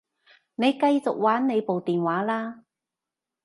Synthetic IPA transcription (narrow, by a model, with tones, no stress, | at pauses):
ne˨˧jkɐ˧jt͡sʊ˨k̚waː˨˥nne˨˧jpo˨wt̪iː˨˩nwaː˨˥laː˥